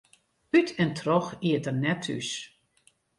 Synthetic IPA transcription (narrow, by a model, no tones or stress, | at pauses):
ytʰɛntʰrɔxiətərnɛtʰy̰s